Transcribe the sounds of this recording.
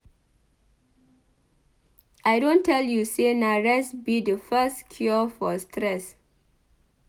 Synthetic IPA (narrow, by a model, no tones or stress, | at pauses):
ʔajdõntʰːɛljusenaɹɛsbidəfɛstkʰjɔfɔstʰɹɛs